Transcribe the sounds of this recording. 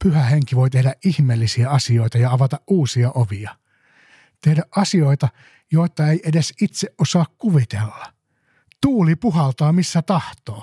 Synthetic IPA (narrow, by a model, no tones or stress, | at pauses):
pyhæheŋkiʋoit̪ehdæʔʔihmeːlːisiæɑsioit̪ɑjɑɑʋɑt̪ɑʔʔuːsiɑʔoʋiɑ | t̪ehdæʔʔɑsioit̪ɑ | joit̪ːˑɑeiʔedesit̪seʔʔosɑːkkuʋit̪elːɑ | t̪uːlipuhɑlt̪ɑːmisːæt̪ɑht̪oː